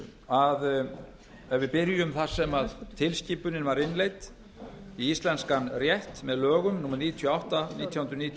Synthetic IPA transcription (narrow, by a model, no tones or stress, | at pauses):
að | ɛvvɪpɪɾjʏʏmθaɾ̥sɛmaðt̪ʰɪlsciːpʏnɪnvaɾɪnlejt̪ | iist̪lɛnskanrjɛht̪mɛðlœːɣʏmnuːmaɾniːt̪ʰiɔawht̪aniːt̪ʰjahʏnɾʏniːt̪ʰ